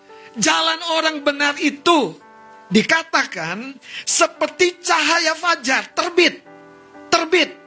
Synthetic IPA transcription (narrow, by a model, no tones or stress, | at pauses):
d͡ʒalanoɾaŋbənarit̪u | dikat̪akansəpərt̪it͡ʃaɦajafad͡ʒart̪ərbɪt̪̚ː | ərbɪt̪̚